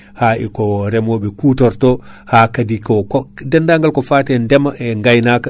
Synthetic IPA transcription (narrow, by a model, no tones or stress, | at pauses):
haːikɔɾɛmɔɓɛkuːtɔɾtɔhaːkadikɔkɔdɛndaŋɡalkɔfatɛndɛmaʔɛŋɡajnaka